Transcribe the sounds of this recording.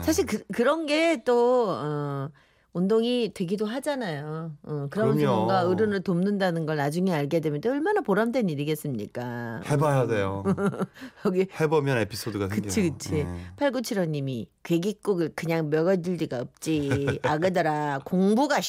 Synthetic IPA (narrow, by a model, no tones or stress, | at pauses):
sʰaɕ̬ʰiɭkɯkɯɾʌnɡe̞t͈oʌ | ondoŋitwe̞ɡidoɦad͡ʑanajoɯkɯɾʌmʌʌnɡaɯɾɯnɯɭtomnɯndanɯnɡʌɭnad͡ʑuŋeaɭɡe̞dwemjʌntoʌɭmanapoɾamdwe̞niɾiɡe̞s͈ɯmɲḭk͈aebajadejo | ʌɡihebʌmjʌnepʰi̥s͈ʰodɯɡakɯt͡ɕʰikɯt͡ɕʰipʰaɭɡut͡ɕʰiɾʌɲimikweɡik͈uɡɯɭkɯɲaŋmjʌɡʌdɯɭd͡ʑiɡaʌp̚t͡ɕ͈iaɡɯdʌɾakoŋbuɡa